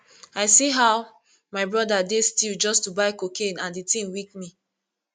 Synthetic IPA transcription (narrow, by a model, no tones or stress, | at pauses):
aɪsiɦaʊ | maɪbɹɔdadestild͡ʒɔstubaɪkokʰẽnãnditĩnwik̚mi